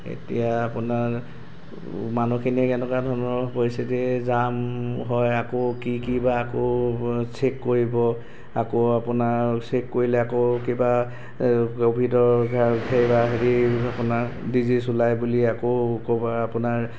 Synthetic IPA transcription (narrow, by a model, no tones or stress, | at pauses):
ḛtḭjaːpʊnaɹ | manukʰinikɛnɛkadʱɔnɔpojsɛzɛzamɦɔjakokikibaːkosekːoɹibɔ | akoapʊnasekːoɹilɛakokiba | kobʱidɔɹakʰejbaɦeɹiapʊnadizisulajbuliakokobaapʊnaɹ